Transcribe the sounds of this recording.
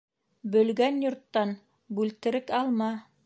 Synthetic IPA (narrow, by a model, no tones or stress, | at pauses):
bɵ̆lɡænjŏɾt̪ːɑn | bʉlt̪ɘ̆ɾɘkɑlˠmɑ